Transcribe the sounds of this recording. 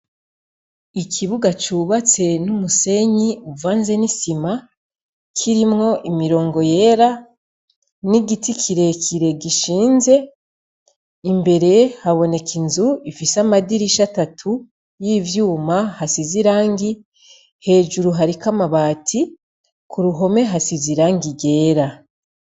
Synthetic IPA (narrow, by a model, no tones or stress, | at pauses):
ikʰiβuɡat͡ʃuβat͡se̞numuse̞ɲiuvaːnze̞nisima | kʰiɾimŋo̞ʔimiɾo̞ːŋɡo̞je̞ɾa | niɡitikʰiɾe̞kʰiɾe̞ɡiʃiːnze̞ | imbe̞ɾe̞haβo̞ne̞kinzuifisamadiɾiʃatatʰu | jiːvjuːmahasiziɾaːŋɡi | he̞ːd͡ʒuɾuɦaɾikamaβaːtʰi | kuɾuɦo̞me̞ɦasiziɾaːŋɡiɡe̞ːɾa